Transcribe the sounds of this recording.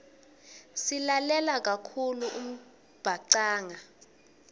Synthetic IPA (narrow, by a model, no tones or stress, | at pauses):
silalɛlak̬ʼakʰuluʔum̩ | b̥ʱaǀaːŋa